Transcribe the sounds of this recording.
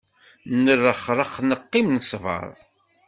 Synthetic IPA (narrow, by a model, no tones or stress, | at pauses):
nərːəχɾˤəχnəqːimnsvə̰ɾˤ